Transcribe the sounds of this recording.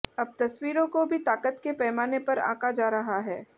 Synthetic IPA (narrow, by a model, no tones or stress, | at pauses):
ɐb̚t̪ɐswiːɾõkobʱit̪aːkət̪kepɛːmaːnepɐɾa̰ːkad͡ʒaːɾɐɦaɦɛː